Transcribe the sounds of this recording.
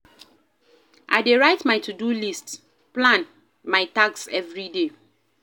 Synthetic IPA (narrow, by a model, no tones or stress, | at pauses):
ʔa̰ɪdeɹaɪtmaɪtʰudulist | plãn | maɪtaksɛvɹide